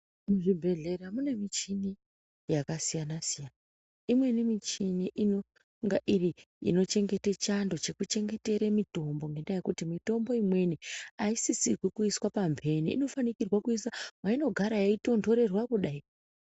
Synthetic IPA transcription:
muʐibʱe̞ɮe̞ɾamune̞mit͡ʃini | jakasijanasijana | imwe̞nimit͡ʃiniʔino | ŋɡaʔiri | ḭno̞t͡ʃe̞ŋɡe̞tet͡ʃando̞t͡ʃe̞kut͡ʃe̞ŋɡe̞te̞ɾemito̞mbo̞ŋɡe̞ndajekutimito̞mbo̞imwe̞niaisisirwikuiswapambʱe̞niʔḭno̞fanikirwakuisamaino̞ɡʱaɾajaito̞ndo̞ɾe̞rwakuɗai

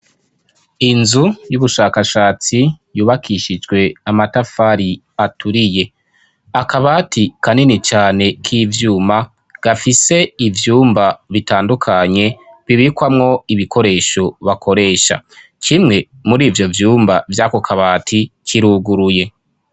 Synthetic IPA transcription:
inzujuβuʃaːkaʃaːt͡sijuːβakʰiʃid͡ʒɡwe̞amatafaɾi | atʰuɾije̞ | akaβaːtikʰaninit͡ʃaːne̞kʰivjuːma | ɡ̥afise̞ivjuːmbaβitaːndukʰaɲe̞ | βiβikwamŋo̞iβikʰo̞ɾe̞ːʃo̞βakʰo̞ɾe̞ːʃa̰ | kʰimŋe̞ | muɾiːvjo̞vjuːmbavjaːko̞kʰaβaːtʰikiɾuːɡuɾuje̞

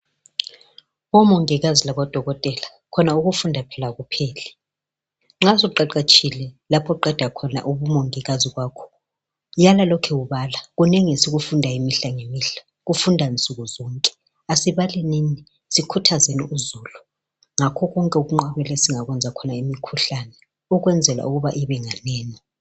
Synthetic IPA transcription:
βɔmɔŋiɣazilaβɔd̥ʱɔɣɔtʼɛla | kʰɔnauɣufundʱapʰɛlaɣupʰɛːlɛ | ŋ͡ǁasɔuǃaǃat͡ʃʼʰilɛlapʰɔuǃɛd̥ʱakʰɔna̰ʔuβumɔŋiɣaziɣwaːkʰɔ̥ | jalalɔkʰɛwuβalaɣunɛŋesiɣufundʱaimiɬaŋemiɬḁ | ɣufundʱaint͡sʼuɣuzɔŋkʼɛ̥ | asiβalɛniːni | sikʰutʰazeniuzulu | ŋakʰɔɣɔŋkʼɛuɣuŋ͡ǃaβɛlɛsiŋaɣwɛnd͡zʱakʰɔnaimikʰuɬanɛ | uɣwɛnd͡zʱɛla̰uɣuβaʔiβɛŋaneːni

